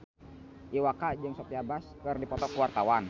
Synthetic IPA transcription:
ʔiwakad͡ʒɨŋsopiabaskərdipɔt̪ɔkuwart̪awan

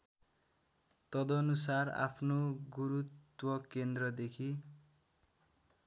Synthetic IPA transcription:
t̪ʌd̪ʌːnusara̰pʰnoɡuɾut̪wʌkend̪rʌd̪ekʰi

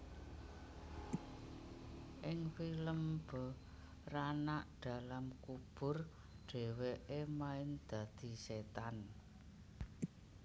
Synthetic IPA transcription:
ʔɪŋfiləmb̥ə̤ | ranaʔd̪̥a̤lamkub̥ʊ̤r | ɖ̥e̤weʔemaɪnd̪̥ä̤d̪̥i̤set̪an

